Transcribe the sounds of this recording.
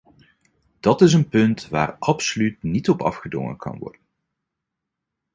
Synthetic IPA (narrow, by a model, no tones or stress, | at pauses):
d̥ɑtɪs̬ənpɵntʋa̰ːɹɑpsolytnitɔpɑ̰fχədɔ̰ŋə̰nkʰɑ̰nʋɔ̰ɹdən